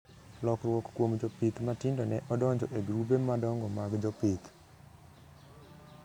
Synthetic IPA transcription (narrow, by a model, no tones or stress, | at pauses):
lɔkɾwɔkkwomd͡ʒɔpit̪matɪndɔnɛʔɔdɔɲd͡ʒɔ̰ʔeɡɾubemadɔŋɡɔmaɡd͡ʒɔpit̪